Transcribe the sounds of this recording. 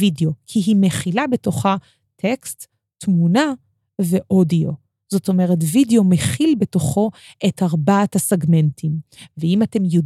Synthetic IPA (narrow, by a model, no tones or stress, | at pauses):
ideo̞kʰiɦimeχilabe̞to̞χa | tʰekstː | muna | ve̞ʔo̞dio̞ | zo̞to̞me̞ʁe̞tvideo̞meχilbe̞to̞χo̞ʔe̞thaʁbaatasaɡme̞ntimveimate̞mjod